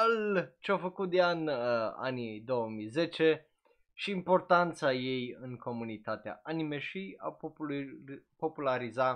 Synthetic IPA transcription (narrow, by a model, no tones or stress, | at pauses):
alt͡ʃeafəkut̪̚d̪eana̰nid̪o̞wəmijze̞t͡ʃe̞ | ʃiːmpo̞rt̪ant̪saje̞jɨŋko̞munit̪at̪ea̰ʔanimeʃija̰ | po̞pulaɾiza